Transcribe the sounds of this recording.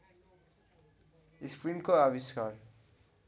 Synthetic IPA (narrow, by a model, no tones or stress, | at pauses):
ispɾinkoabiskaɾ